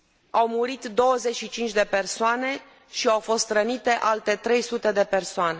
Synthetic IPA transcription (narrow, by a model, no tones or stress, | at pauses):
awmuɾit̪d̪o̞wəze̞t͡ʃʃit͡ʃint͡ʃʲd̪e̞pe̞rsoane̞ | ʃiawfo̞st̪ɾənit̪e̞ʔalt̪e̞t̪ɾe̞jsut̪e̞d̪e̞pe̞rsoane̞